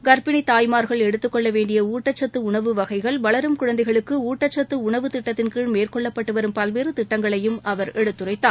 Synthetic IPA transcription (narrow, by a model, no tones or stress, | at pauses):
ɡɐɾbɪniɪt̪aːjmaːɾɣɐɭɛɽɯt̪ːɯkːɔɭːɐʋeːɳɖɪjɐuːʈːɐt͡ʃːɐt̪ːɯʊɳɐʋɯʋɐɣɐɪɣɐɭʋɐɭɐɾɯmkʊɻɐnd̪ɐɪɣɐɭɯkːɯuːʈːɐt͡ʃːɐt̪ːɯʊɳɐʋɯt̪ɪʈːɐt̪ːɪnkiɻmeːrkɔɭːɐpːɐʈːɯʋɐɾɯmpɐlʋeːɾɯt̪ɪʈːɐŋɡɐɭɐjɯmɐʋɐɾɛɽɯt̪ːɯrɐɪt̪ːaː